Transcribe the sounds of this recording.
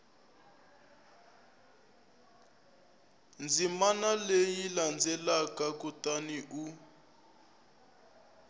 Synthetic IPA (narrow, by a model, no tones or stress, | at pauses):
nd͡zimanalejiiland͡zɛlakakutaniʔu